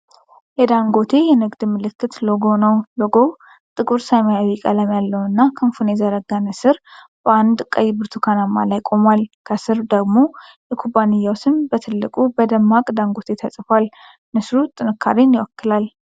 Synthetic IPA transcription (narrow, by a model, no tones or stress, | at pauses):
jɛd̪aŋɡo̞t̪ʰe̞jɛnɨɡd̪ɨmɨlɨkːɨt̪loɡonəwloɡo̞ | t̪ʼɨɡʼuɾsamajawikʼəlamjalːəwnɨnːakʰənfunezəɾəɡanəsɨɾ | bəand̪kʼːəjbɨɾt̪ʰukʰanamːalajkʼo̞malkʰəsɨɾd̪əɡmo̞jɛkʰubanɨjːawsɨmbət̪ʰɨlːɨkʼubəd̪əmːakʼd̪aŋɡo̞t̪ʰe̞t̪ʰəsʼfal | nɨsɾut̪ʼɨnɨkːa̰ɾinjɪwɔkːɨlal